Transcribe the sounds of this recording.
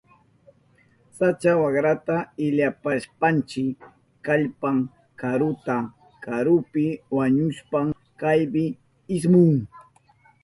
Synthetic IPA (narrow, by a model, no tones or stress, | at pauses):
sat͡ʃawaɡɾat̪aɪʎapaʃpant͡ʃɪk | kaʎpaŋ | kaɾʊt̪a | kaɾʊpɪwaɲʊʃpaŋ | kajbɪ | ɪsmʊŋ